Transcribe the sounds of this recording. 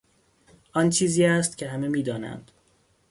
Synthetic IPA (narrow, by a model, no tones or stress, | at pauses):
ʔɒnt͡ʃʰiːziːæst̪cʰe̞hæmemiːd̪ɒːnæ̰nd̪̥